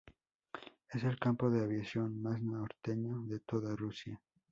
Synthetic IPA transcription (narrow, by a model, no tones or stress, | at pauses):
ese̞lkampo̞ðe̞aβjasjo̞nmasnaoɾt̪eɲoðe̞t̪o̞ðarusja